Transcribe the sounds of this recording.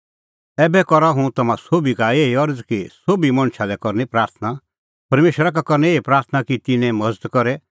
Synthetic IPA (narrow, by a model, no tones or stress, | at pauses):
ɛːbɛkɔɾaɦũt̪ɐmãsoːbikaeːiɔɾd͡zkisoːbimɐ̃ñʃalɛkɔɾnipɾaːɾt̪ʰna | pɐɾmeːʃwəɾak̬akɔɾnɛeːipɾaːɾt̪ʰnakit̪ɪnɛ̃mɐd͡zəd̪kɔɾɛ